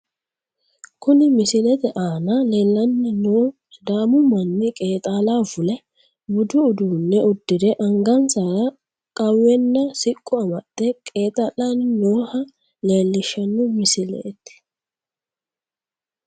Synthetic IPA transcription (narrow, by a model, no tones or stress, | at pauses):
kʊnɪmɪsɪlɛt̪ɛʔaːnɐleːlːɐnːɪnoː | d̪aːmʊmɐnːɪkʼe̞ːt̪ʼaːlavʊlɛ | bʊd̪ʊːd̪uːnːɛʊd̪ːɪd̪ɛʔɐŋɡɐnsaɾɐ | kʼɐwɛnːɐsɪkʼːʊɐmɐt̪ːɛkʼe̞ːt̪ʼɐlannoːhɐ | le̞ːlːɪʃːɐnːʊmɪsɪlɛ̰ːt̪ː